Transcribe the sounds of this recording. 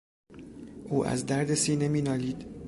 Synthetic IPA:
ʔuːʔæ̰zd̪æɾd̪e̞siːnemiːnɒːliːd̪̥

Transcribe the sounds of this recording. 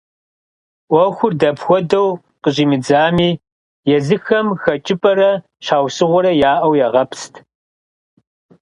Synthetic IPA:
ʔʷɔxʷʊrdɐpxʷɔdɐw | qəʑiːmɨd͡zaːmiː | jɛzɨxɐmxɐt͡ʃʼɪpʼɐɾɐ | ʃaːwsɨʁʷʊɾɐjaːʔɐwjaʁɐpʰstʰ

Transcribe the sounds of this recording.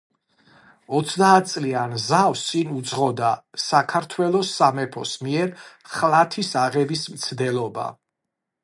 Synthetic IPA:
ɔt̪sʰd̪aːt̪̚ʰt̪sʼlianzawst̪sʼinud̪zʁɔd̪asakʰaɾt̪ʰwɛlˠɔsːamɛpʰɔ̰smiɛɾ | χlˠat̪ʰisaʁɛbismt̪sʰd̪ɛlˠɔba̰

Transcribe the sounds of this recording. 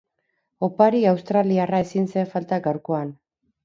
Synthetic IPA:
o̞paɾiawst̪ɾaliarae̞sinseeɱfalt̪aɡawɾko̞an

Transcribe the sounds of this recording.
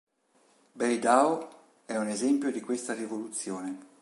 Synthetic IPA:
bejd̪ao | ɛunezɛmpjod̪ikwest̪arivolut̪sːjoːne

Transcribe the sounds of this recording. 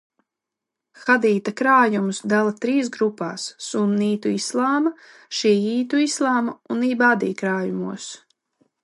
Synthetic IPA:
xad̪iːt̪akɾaːjumusd̪alˠat̪ɾiːs̬ɡɾupa̰ːsːunːiːt̪uislˠaːma | ʃiɛjiːt̪uislˠaːmauniːbaːd̪ḭːkɾaːjumuɔs

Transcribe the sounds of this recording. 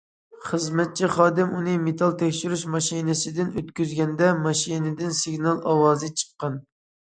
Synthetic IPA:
χəzmɛt̪̚t͡ʃʰiχɑːd̪ɪmunɨmet̪ʰɑlˠt̪ʰɛkʲʃyɾyʃmɑʃinɪsɪd̪ɪnøt̪kʲyzɡʲɛnd̪ɛmɑʃinɪd̪ɪnsɪɡʲnɑlˠɑwɑːzɨt͡ʃʰə̥qːɑn

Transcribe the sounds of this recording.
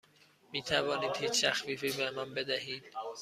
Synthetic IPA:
miːt̪ʰævɒːniːd̪hiːt͡ʃʰt̪ʰæxviːfiːbemænbe̞d̪æɦiːd̪̥

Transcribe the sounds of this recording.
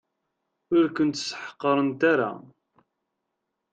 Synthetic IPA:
ʊɾkənt̪ːsə̥ħə̥qːəɾˤənt̪aɾa̰

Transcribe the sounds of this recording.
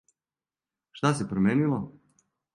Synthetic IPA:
ʃt̪asepɾomjeːnilo

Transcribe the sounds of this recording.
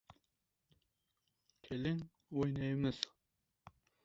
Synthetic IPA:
kʲʰelɪŋ | ojnɑjmɪz̥

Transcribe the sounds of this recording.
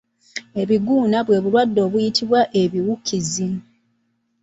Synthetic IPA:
e̞βiɡuːnaβwe̞ːβulwadːo̞ːβujitʰiβwaʔe̞βiwukʰizi

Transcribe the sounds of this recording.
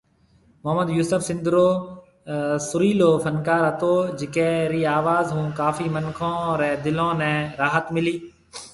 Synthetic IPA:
mʊɦəmːəd̪juːsəfsɪ̃nd̪ɾoː | sʊɾiːloːfənkaːɾət̪oːd͡ʒɪkɛːɾiːaːʋaːzɦũːkaːfiːmənkʰõːɾɛ̃ːd̪ɪlõːnɛ̃ːɾaːɦət̪mɪliː

